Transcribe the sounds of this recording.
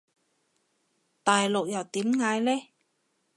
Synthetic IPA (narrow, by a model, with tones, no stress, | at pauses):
t̪aː˨jlʊ˨k̚jɐ˨˩wt̪iː˨˥mŋaː˨˧˥jlɛː˥